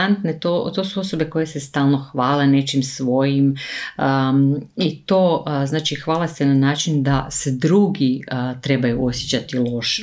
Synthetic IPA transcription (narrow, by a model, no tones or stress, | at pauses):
ant̪net̪ot̪o̞ːsuo̞so̞be̞ko̞jesest̪aːlˠno̞xʋaːle̞ne̞t͡ʃimsʋo̞jiməit̪o̞ːznaːt͡ʃixʋaːlast̪enanaːt͡ʃind̪ased̪ɾuːɡit̪ɾe̞bajuo̞sjet͡ɕat̪ilˠo̞ʃe